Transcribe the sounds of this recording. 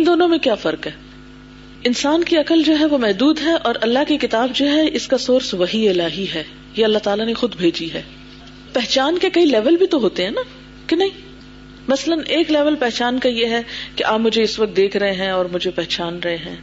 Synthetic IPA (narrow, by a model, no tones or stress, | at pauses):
ɪ̃nd̪oːnõmẽkjaːfɐɾkɦɛː | ɪnsaːnkiɐkəld͡ʒoːɦɛʋomɛɦd̪uːd̪ɦɛʔɔːɾʔɐlːaɦkikɪt̪aːbd͡ʒoːɦɛʔɪskasoːɾsʋɐɦiɪlaːɦiɦɛː | jeɐlːaɦt̪aːlanexʊd̪bʱeːd͡ʒiɦɛː | pɛɦt͡ʃaːnkekɐilɛːʋəlbʱit̪oɦoːt̪eɦɛ̃ːna | kenɐɦĩ | mɐsələnʔeːklɛːʋəlpɛɦt͡ʃaːnkajeɦɛkeʔaːpmʊd͡ʒʱeɪsʋɐk̚t̪̚d̪eːkʰɾɐɦeɦɛ̃ɔːɾmʊd͡ʒʱepɛɦt͡ʃaːnɾɐɦeɦɛ̃ː